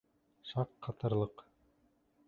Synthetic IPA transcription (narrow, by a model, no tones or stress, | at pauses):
ʃɑqːɑt̪ɤ̆ɾlˠɤq